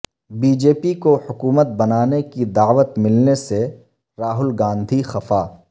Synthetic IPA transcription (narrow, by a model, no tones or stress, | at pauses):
biːd͡ʒeːpikohʊkuːmət̪̚bɐnaːnekid̪aːʋət̪mɪlnese | ɾaːɦʊlɡãːnd̪ʱixɐfaː